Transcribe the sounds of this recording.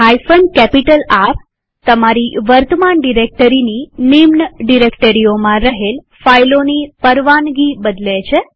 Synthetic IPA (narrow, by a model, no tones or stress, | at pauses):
ɦajfəɳɖkɛpiʈəlap | t̪əmaɾiʋəɾt̪əmanɖiɾek̚ʈəɾininimnəɖiɾekʈəɾiomãɾəɦel | fajlonipəɾʋanɡibəd̪let͡ʃʰe